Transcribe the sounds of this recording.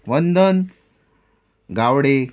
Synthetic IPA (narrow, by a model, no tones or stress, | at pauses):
ʋənd̪ən | ɡawɽe